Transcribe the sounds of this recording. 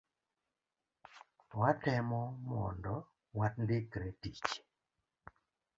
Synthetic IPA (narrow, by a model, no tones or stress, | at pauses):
watɛmɔmɔndɔ | wat̚ndekɾɛtit͡ʃ